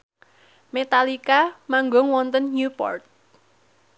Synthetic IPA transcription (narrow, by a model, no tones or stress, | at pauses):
met̪alikamaŋɡɔŋwɔnt̪ənɲupɔ̰rt̪̚